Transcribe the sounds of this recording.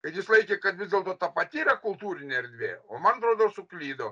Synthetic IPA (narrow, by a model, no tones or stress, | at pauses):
kɐɪt̪jɪslˠɐɪkʲekɐt̪ʋʲɪzd̪ʲeɛlˠt̪oːt̪ɐpɐt̪ʲiːɾɐkʊlˠt̪uːɾʲɪnʲeɐɾʲd̪ʲʋʲḛːoːmɐnɐt̪ɾoːd̪oːsʊklʲiːd̪oː